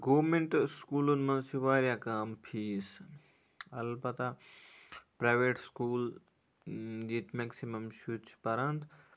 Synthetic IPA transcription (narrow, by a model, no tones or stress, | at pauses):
ɡoːmeɳʈskuːlunmɐnsiʋaːɾjakaːmpʰiːs | ɐlbɐt̪a | pɾaːʋeːʈskuːl | d̪iːt̪meksimɐmʃut͡ʃʰpɐɾɐnd̪